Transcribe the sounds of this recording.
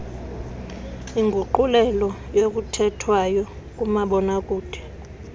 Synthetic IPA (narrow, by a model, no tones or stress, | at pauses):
iŋɡʱuǃulɛlɔjok̬ʼutʰɛtʰwajɔ | k̬ʼumaɓɔnakʼuːd̥ʱɛ̥